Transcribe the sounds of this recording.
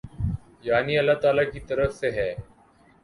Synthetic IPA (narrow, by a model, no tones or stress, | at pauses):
jaːniːəlːaːt̪aːlaːkiːt̪əɾəfseɦɛː